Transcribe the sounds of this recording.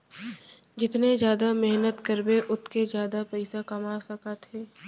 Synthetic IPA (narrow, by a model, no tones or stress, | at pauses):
d͡ʒɪt̪nezjaːd̪amɛɦnət̪kəɾbeʔʊt̪ʰked͡ʒjaːd̪apɛɪsakɐmaːsɐkat̪ʰeː